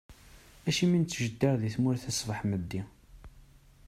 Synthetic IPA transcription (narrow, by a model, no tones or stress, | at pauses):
æʃimint͡sːʒəd̪ːiɾðiθmʊɾθæsvəħməd̪ːi